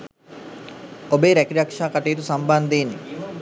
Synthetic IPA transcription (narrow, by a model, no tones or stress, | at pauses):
obeːɾækɾiɾakʂaːkaʈejt̪usamband̪eːnːi